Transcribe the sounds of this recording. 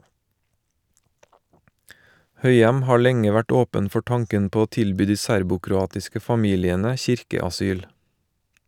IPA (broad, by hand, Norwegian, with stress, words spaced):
ˈhœʏɛm ˈhɑː ˈlɛŋə ˈʋæʈ ˈoːpən ˈfɔ ˈtɑŋkən ˈpoː ˈoː ˈtɪlˌbyː ˈdiː ˈsæɾbʊkɾʊˌɑːtɪskə fɑˈmiːlɪənə ˈçɪɾkəɑˌsyːl